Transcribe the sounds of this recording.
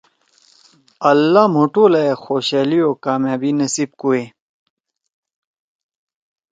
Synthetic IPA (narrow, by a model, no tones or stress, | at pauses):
ɐlːamoʈoːlɐexoːɕeːliokaːmjaːbinɐsib̚kue